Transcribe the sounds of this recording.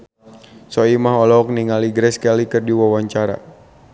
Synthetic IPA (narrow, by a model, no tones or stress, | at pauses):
sɔimaɦɔlɔɔk̚niŋaliɡɾɛskalikɨrdiwawaɲt͡ʃaɾa̰